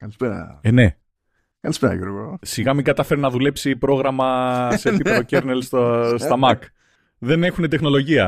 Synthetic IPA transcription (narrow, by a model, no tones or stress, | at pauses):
kɐlispeɾɐ̰ene̞ | kɐlispeɾɐ̰juɾɣo̰siɣɐmiŋɡɐt̪ɐfe̞ɾenɐðule̞psipɾo̞ɣɾɐmɐsep̪iot̪oceɾnelst̪ost̪ɐmɐk | ðe̞ne̞xune̞t̪e̞xno̞lo̞ʝiɐ